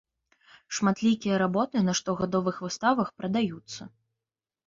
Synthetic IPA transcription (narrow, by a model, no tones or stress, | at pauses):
ʂmat̪lʲikʲijɐɾabɔt̪ɨnɐʂt̪ɔɣad̪ɔvɨxvɨst̪avɐxpɾɐd̪ajut̪sːɐ